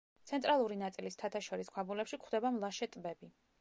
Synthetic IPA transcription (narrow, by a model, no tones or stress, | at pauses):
t̪sʰɛnt̪ʼɾalˠuɾinat̪sʼilist̪ʰat̪ʰaʃɔɾiskʰabulɛpʃikχwd̪ɛbamlˠaʃɛt̪ʼbɛbi